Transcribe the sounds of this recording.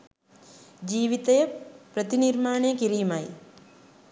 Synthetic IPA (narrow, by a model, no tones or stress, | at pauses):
d͡ʒiːʋit̪ɐjɐpɾɐt̪iniɾmaːɳekiɾimaj